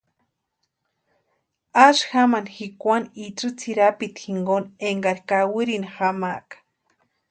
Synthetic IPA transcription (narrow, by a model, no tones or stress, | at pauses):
aʃxamanxikʷaniʈ͡ʂʼɨt͡sʰiɾapit̪xiŋɡoneŋɡaɾkawɨɾinxamakḁ